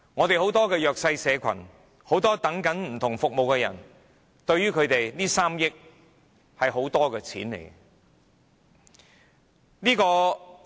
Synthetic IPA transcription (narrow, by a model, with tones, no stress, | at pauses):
ŋɔː˨˧t̪e˨jɦo˨˥wt̪ɔː˥kɛː˧jœː˨k̚sɐ˧jsɛː˨˧kʷʰɐ̰˨˩n | ho˨˥wt̪ɔː˥t̪ɐ˨˥ŋkɐ˨˥nm̩˨˩t̪ʰʊ˨˩ŋfʊ˨k̚mo˨wkɛː˧jɐ̰˨˩n | t̪ɵ˧ɥyː˥kʰɵ˨˧t̪e˨jniː˥saː˥mjɪ˥k̚ | hɐ˨jɦo˨˥wt̪ɔː˥kɛː˧t͡sʰḭː˨˥nlḛ˨˩j | niː˥kɔː˧